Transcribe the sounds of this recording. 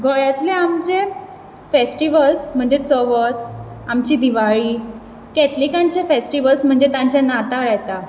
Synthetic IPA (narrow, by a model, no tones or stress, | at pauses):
ɡɔjat̪leamt͡ɕe | fesʈiʋəlsm̤əɳd͡zet͡səʋət̪ | amt͡ɕid̪iʋaɭiː | kɛt̪likãɲt͡ɕefesʈiʋəlsm̤əɳd͡ʑet̪ãɲt͡ɕjanat̪aɭajt̪a